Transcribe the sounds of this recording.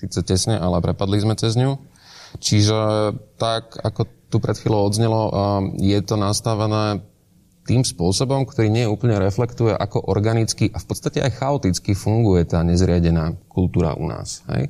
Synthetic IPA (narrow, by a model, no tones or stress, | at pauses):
siːt͡sɛcɛsɲɛʔalɛpɾɛpad̪lizmɛt͡sɛzɲu | t͡ʃiʒɛt̪akakɔt̪upɾʔɛt̪xʋiːlɔʊɔd̪zɲɛlɔjɛt̪ɔnast̪aʋɛnɛː | t̪iːmspʊɔsɔbɔmkt̪ɔɾiːɲɪɛjɛuːpl̩ɲɛɾɛflɛkt̪ujɛʔakɔʔɔɾɡanit͡skiʔafpɔt̪st̪acɛʔajxaɔt̪it͡skifuŋɡujɛt̪aːɲɛzɾɪaɟɛnaːkult̪uːɾa̰ʔṵna̰ːsɦɛ̰j